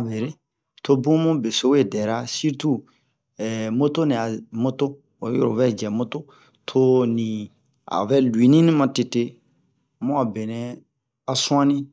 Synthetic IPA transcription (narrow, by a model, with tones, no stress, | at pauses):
a˨ve˨ɾe˦ | tʰo˦bũ˦mũ˦be˨so˦we˦˨dɛ˨ɾa˦si˦ɾtu˦ | ɛ˨mo˦to˦nɛ̃˨a˨mo˦to˦ | o˨˦jo̰˦ɾo̰˨vɛ˦˨d͡ʒɛ˨mo˦to˦ | tʰo˦nĩ˨ | a̰˨vɛ˦lwi˨nĩ˦nĩ˦mã˨te˨te˦ | mũ˦a˨be˨nɛ̃˨ | a˦sũ˦ã˦nĩ˦